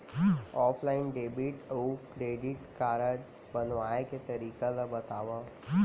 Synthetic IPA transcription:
ɦɔːpʰlaːɪnɖeːbiʈəukɾeːɖiʈkaːɾəɽ | bɐnʋaːeket̪ɐɾiːkalabɐt̪aːʋaɦ

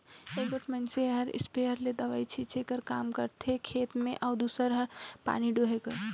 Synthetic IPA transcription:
ebəʈʰmənseɦəɾɪ̰speəɾled̪əʋait͡ʃʰit͡ʃʰekəɾkaːmkəɾt̪ʰekʰeːt̪mẽʔaʊd̪usəɾɦəɾpa̰ːniɖoɦekəɾ

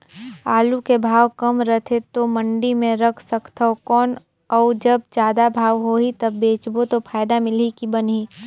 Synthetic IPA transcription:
aːlukebʱaːʋkɐmɾət̪ʰet̪omɐ̃ɳɖimẽɾɐkʰsəkt̪ʰaokɔːn | ɔːd͡ʒɐb̚d͡ʒjaːd̪abʱaːʋɦoːit̪ɐbːeːt͡ʃbot̪opʰaːɪd̪amɪlikibɐnɦiː

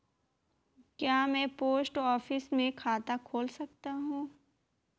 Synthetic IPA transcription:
kjaːmɛ̃ːpoːsʈɔːfɪsmẽkʰaːt̪akʰoːlsɐkt̪aɦũː

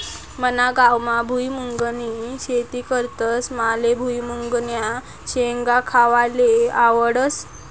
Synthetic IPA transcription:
mənaɡawmabʱujmuŋɡniɕet̪iːkəɾt̪əsmalebʱujmuŋɡnja | ɕeŋɡakʰaʋaleaʋəɽəs

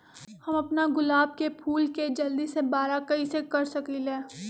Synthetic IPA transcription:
hɐmɐpnaɡʊlaːb̚kepʰuːlked͡ʒɐld̪isebaːɾakɐisekɐɾsɐkilẽː

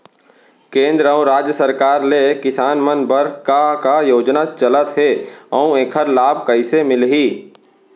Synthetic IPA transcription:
kẽːnd̪ɾəũɾaːd͡ʒjəsəɾkaːɾlekɪsaːnmənbəɾkakajoːd͡ʒnat͡ʃɐlət̪ɦeːɐũeːkʰəɾlaːb̚ʱkɐɪsemɪlɦiː

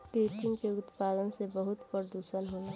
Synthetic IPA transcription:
kɾeːʈɪŋkeʊt̪paːd̪ənsebəɦʊt̪pəɾd̪uːsənɦoe

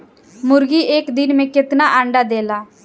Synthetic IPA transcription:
mʊɾɡiːʔeːkd̪ɪnmẽːkɪt̪naːʔaːɳɖaːd̪eːlaː

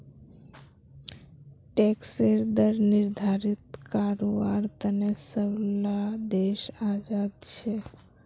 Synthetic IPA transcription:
ʈekseɾd̪əɾnɪɾd̪ʱaɾit̪kaɾoʋaɾt̪ənesəʋlad̪eʃad͡ʒad̪̚t͡ʃʰe

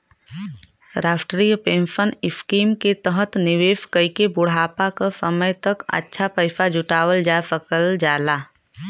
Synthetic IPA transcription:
ɾaːfʰʈɾijpẽːmfʰənɪfkiːmket̪əɦət̪nɪʋeːskəikebʊɽ̤aːpakasəməjt̪əkə̰tːʃʰapəɪfʰad͡ʒʊʈaːwəld͡ʒaːefəkəld͡ʒaːlaː

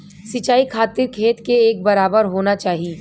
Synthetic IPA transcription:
sɪt͡ʃaːikʰaːt̪ɪɾkʰeːt̪keːk̚bɐɾaːbəɾɦoːnat͡ʃaːɦieː

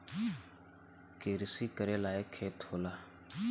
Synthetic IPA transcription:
keːɾɪsiːkəɾeːlaːeːkʰːeːt̪hoːlaː

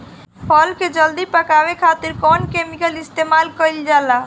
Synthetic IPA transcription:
pʰɔlked͡ʒəld̪ipəkaβekʰat̪iɾkɔnkemikəlist̪emalkəjld͡ʒala

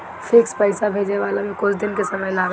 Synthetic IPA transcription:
pʰɪkspəɪsabʱed͡ʒeʋaːlamẽkʊt͡ʃʰd̪ɪnkesəməjlaːɡ

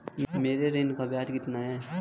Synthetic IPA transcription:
meːɾeɾeːnkabaːd͡ʒkɪt̪naɦɛː

